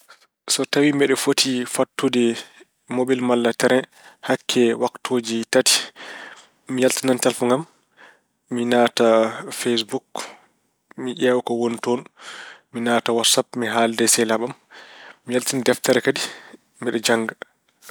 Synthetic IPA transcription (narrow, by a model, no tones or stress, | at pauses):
sɔtawimɛɗɛfotʰifatːudɛ | mobilmalːatɛɾɛ | hakʰːɛwaktʰod͡ʒitati̥ | ijaltinantalfuŋɡamː | inaːtafes̬buk | miʔɛːwkɔwontɔnminaːtawatsapmiɦaːldɛsɛlaɓamː | ijaltinadɛftaɾɛkadi | mɛɗɛd͡ʒaŋɡa